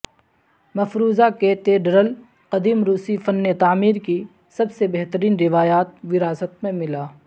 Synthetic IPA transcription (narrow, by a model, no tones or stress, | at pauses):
mɐfɾuːzakeːt̪eːɖɾəl | qɐd̪iːmɾuːsifɐnːet̪aːmiːɾki | sɐbsebɛɦt̪əɾiːnɾɪʋaːjaːt̪̚ʋɪɾaːsət̪mẽmɪlaː